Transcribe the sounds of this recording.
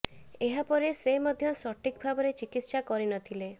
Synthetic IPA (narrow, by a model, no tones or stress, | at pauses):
eɦapɔɾesemɔd̪ʱjɔsɔʈikbʱabɔɾet͡ʃikit̪sakɔɾinɔt̪ʰile